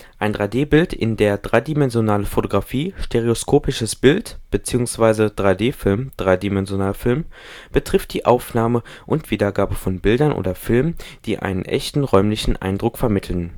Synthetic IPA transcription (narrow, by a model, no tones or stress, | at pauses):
ʔaɪndʁaɪdeːbɪltʰɪ̰ndeːɐdʁaɪdimɛnzjonaːləfotoɡʁafiːʃteʁ̞eoskʰoːpɪʃəsb̥ɪltb̥ət͡siːʊŋsv̥aɪzəd̥ʁaɪdeːfɪlmd̥ʁaɪdimɛnzjonaːlfɪlm | b̥ətʁ̥ɪft̚d̥iːʔaʊfnaːməʔʊntv̥iːdɐɡaːbəfɔnbɪldɐnʔo̰ːdɐfɪlmənd̥ḭːʔa̰ɪnənʔɛ̰çtn̩ʁɔʏmlɪçn̩ʔa̰ɪndʁʊkfɛɐmɪtʰl̩n